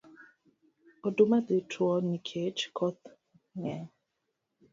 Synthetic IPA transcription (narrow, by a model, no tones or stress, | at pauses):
ɔdomadetʰuɔnikʰet͡ʃkʰɔt̪ | ɲa